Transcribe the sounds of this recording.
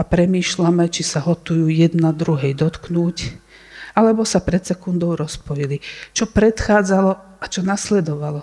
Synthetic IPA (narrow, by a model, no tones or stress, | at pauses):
apɾɛmiːʃlamɛt͡ʃisaɦɔt̪ujuːjɛd̪nad̪ɾuɦɛjd̪ɔt̪knuːc | alɛbɔsapɾɛt̪sɛkund̪ɔʊɾɔspɔjilit͡ʃɔpɾɛt̪xaːd͡zalɔ | at͡ʃɔnaslɛd̪ɔʋalɔ